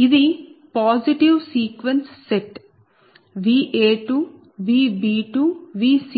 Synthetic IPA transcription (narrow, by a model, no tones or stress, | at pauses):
id̪ipɔːziʈiʋsiːkʋẽnsːeʈ | ʋiːʔeːʈu | ʋiːbiːʈuʋiːs